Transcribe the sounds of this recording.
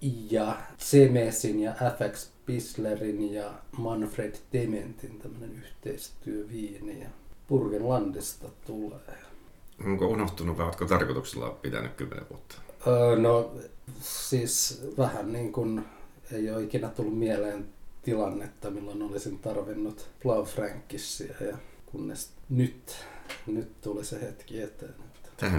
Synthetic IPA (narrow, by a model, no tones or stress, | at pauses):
jɑsemesinjɑʔæfækspislerinjɑmɑnfred̥d̪ement̪int̪æmːønenyht̪eist̪yøʋiːnijɑpurkenlɑnt̪ist̪ɑt̪uleː | oŋkounoht̪unuʋʋɑiot̪kot̪ɑrkot̪uksilːɑ̰pit̪æ̰nykkymːḛnḛʋuot̪ːɑ̥əːno | siːsʋæhænniːŋkun | eijoikinæt̪ulːummieleːnt̪ilɑnːet̪ːɑmilːonolisintt̪ɑrʋinːut̪plɑufræŋkːisːiæjɑkunːḛsnyt̪nyt̪t̪ulisehet̪kiet̪eːne̥t̪ːt̪æhæ